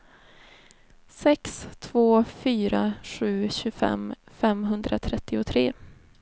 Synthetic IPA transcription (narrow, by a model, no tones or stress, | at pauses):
sɛkst̪ʰvoːfyːɾaɧʉ̟ːɕɵfɛ̰mfɛmɦɵnd̪ɾat̪ʰɾɛt̪ʰːɪʊt̪ʰɾeː